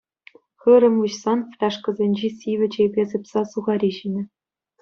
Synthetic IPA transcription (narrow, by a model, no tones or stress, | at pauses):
xɯɾɘ̆muɕsɑnfʲrʲɑʂkɤ̆zʲenʲd͡ʑesʲiʋʲɘ̆d͡ʑebʲezɤ̆pʲsɑsuʁɑɾʲiʑinʲɘ̆